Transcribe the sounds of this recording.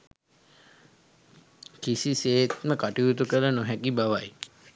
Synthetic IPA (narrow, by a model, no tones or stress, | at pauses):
kisiseːt̪məkaʈiut̪̬ukələnoɦɛkibaʋaj